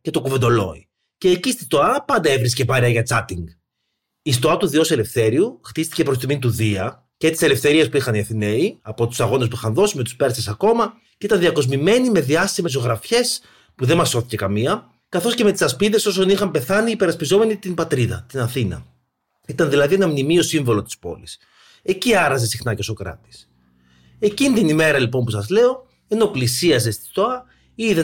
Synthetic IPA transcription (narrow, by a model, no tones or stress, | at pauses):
ce̞t̪okuve̞nd̪o̞lo̞̰ḭ | ce̞ːcist̪ist̪oɐpɐnd̪ɐe̞vɾiscepɐɾiɐʝɐt͡sɐt̪iŋɡ | ist̪oɐt̪uðio̞se̞le̞fθe̞ɾiuxt̪ist̪i̥cepɾost̪iminit̪uðiɐ | ce̞t̪i̥se̞le̞fθe̞ɾiɐspuixɐniɐθine̞iɐpo̞t̪u̥sɐɣo̞nes̬puixɐnðo̞sime̞t̪u̥spe̞ɾsesɐko̞mɐ | ceit̪ɐnðiɐko̞zmime̞nime̞ðiɐst̪ime̞s̬o̞ɣɾɐfçe̞s | puðe̞mɐsːo̞θice̞kɐmiɐ | kɐθo̞sce̞me̞t̪i̥sɐspiðe̞so̞so̞nixɐmpe̞θɐniːpe̞ɾɐspizo̞me̞nit̪inbɐt̪ɾiðɐ̰t̪inɐθinɐ̰ | it̪ɐnðilɐðie̞nɐmnimio̞siɱvo̞lo̞t̪ispo̞̰lis | e̞ciɐɾɐze̞sixnɐcesokɾɐ̰t̪i̥s | e̞cinit̪inime̞ɾɐlipo̞mpusɐzle̞o̞ | e̞noplisiɐze̞st̪i̥st̪o̞ɐ | iðe